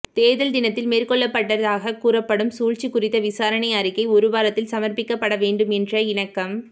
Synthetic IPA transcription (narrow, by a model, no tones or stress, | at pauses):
t̪eːðɐld̪ɪnɐt̪ːɪlmeːrkɔɭːɐpːɐʈːɐðaːɣɐkuːɾɐpːɐɽɯmsuːɻt͡ʃikːʊrɪt̪ːɐʋɪsaːɾɐɳɐɪɐɾɪkːɐɪʊɾʊʋaːɾɐt̪ːɪlsɐmɐɾpɪkːɐpːɐɽɐʋeːɳɖɯmɛndrɐɪɳɐkːɐm